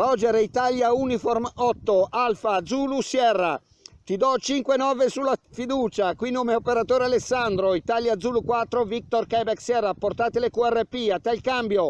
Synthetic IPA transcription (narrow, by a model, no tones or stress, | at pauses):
ɾɔd͡ʒeɾeit̪aljaunifɔrmɔt̪ːoalfad̪zuːlusjɛrːa | t̪id̪ɔt͡ʃiŋkwenɔːvesulːafid̪uːt͡ʃakwinːomeopeɾat̪oːɾealesːand̪ɾoit̪aljad̪zuːlukwat̪ːɾovik̚t̪orkɛbɛksjɛrːaport̪aːt̪elekuɛrːepiat̪ːalkambjo